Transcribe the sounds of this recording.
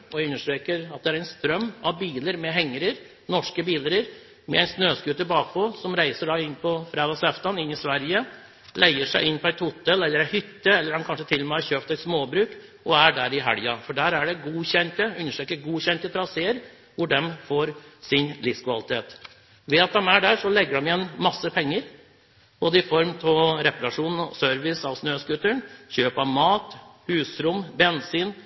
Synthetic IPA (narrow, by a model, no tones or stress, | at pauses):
ɔjæʉnːəʂʈɾeːkəɾɑt̪̚d̪ɛæɾæɪnst̪ɾœmːɑʋbiːləɾmɛɦɛŋːəɾəɾ | nɔʂkəbiːləɾəɾ | mɛ̰æɪnsnøːskʉːt̪əbɑːkpɔsɔmɾæɪsəɖɑɪnːpʰɔfɾɑːd̪ɑsɛft̪ɑnɪnːɪsʋæɾjə | lʔæɪəʂæɪʔɪnpɔæɪt̪hʊt̪ːəlɛlːəɾæhʏt̪ːəɛlːəɾhɑnkʰɑnʂət̪ʰɪlːɔmæɪçøːpt̪æɛɪt̪smoːbɾʉːkʔɔæɖæɾɪɦæɽjɑfɔɖæːɾæɖɛɡuːçɛnt̪əʉnːəʂɛkəɡuːçɛnt̪ət̪ʰɾɑseːəɾ | ʋʊɖɛmfoːɾsɪnlɪfskʰʋɑlɪt̪ʰeːt̪ | ʋɛɑt̪̚d̪ɛmæɖæʂɔlɛɡːəɖɔmɪɛnmɑsːəpʰɛŋːəɾ | boːd̪əɪfɔɾmt̪ʰɔɾɛpɑɾɑʂuːnsœɾʋɪsɑʋsnøːskʉt̪ːəɳçøːpɑʋmɑːt̪hʉːsɾʊmbɛnsiːn